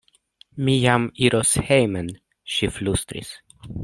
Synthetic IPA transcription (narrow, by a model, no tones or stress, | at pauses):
mijamiɾʔɔshejmən | ʃiflust̪ɾɪ̰s